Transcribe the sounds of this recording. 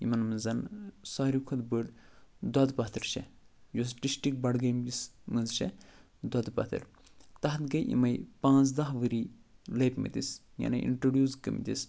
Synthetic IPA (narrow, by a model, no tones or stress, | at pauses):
imɐnmɨnzɐnsaːɾikʰɐd̪bəɽ | d̪ɐd̪pɐt̪ʰɨɾʃɛ | jus̬ʈisʈik̚bɐɽɡɐjmt̪ismɨnzʃɛ | d̪ɐd̪pɐ̰t̪ʰɨ̰ɾ | t̪ɐɦt̪ɡɐjʔḭmɐjpãːt͡s̬d̪ɐɦʋɨɾiːlɐjpmɐ̰t̪is | ja̰nɐʔḭɳʈɾoɖjuːzkə̰mḭt̪is